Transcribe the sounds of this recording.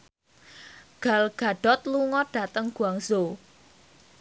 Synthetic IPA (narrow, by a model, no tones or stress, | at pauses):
ɡ̥a̤lɡ̥a̤ɖ̥ɔt̪̚luŋɔɖ̥a̤t̪əŋɡ̥uaŋso